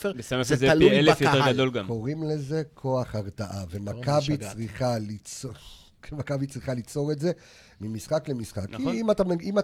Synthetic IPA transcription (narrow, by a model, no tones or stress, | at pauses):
febesamazezealullfjoteɡad̪olɡamkoʁimle̞ze̞kʰo̞aχaʁtaʔavemakabit͡sʁiχalit͡so | makabit͡sʁiχalit͡so̞ʁetze̞ | mimisχaklemisχakkimat̪amima